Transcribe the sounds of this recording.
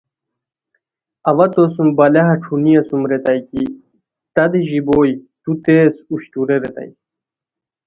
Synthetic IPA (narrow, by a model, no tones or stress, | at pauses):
ɐʋɐt̪osumbɐlɐɦɐʈ͡ʂʰunijɐsumɾet̪ajki | t̪ɐd̪iʑiboːjt̪ut̪eːsuɕt̪uɾeɾet̪a̰j